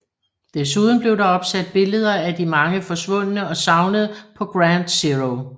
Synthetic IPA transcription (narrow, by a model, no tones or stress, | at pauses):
d̥es̬uð̞ˠn̩b̥le̝ʊd̥ɑ̈ɒ̽b̥sæd̥̚b̥e̝ləð̞ˠɐæd̥imɑ̈ŋəfɒ̽sʋɔ̽n̰ənəɒ̽sɑ̈ʊnəð̩ˠpʰɒ̽ɡ̥ʁænd̥siʁoʊ